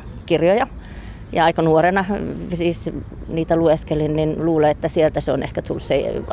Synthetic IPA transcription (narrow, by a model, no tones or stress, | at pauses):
kirjojɑ | jɑɑikɑnuorenɑsiːs | niːt̪ælueskelinninluːleet̪ːæsielt̪æseonehkæt̪ulsse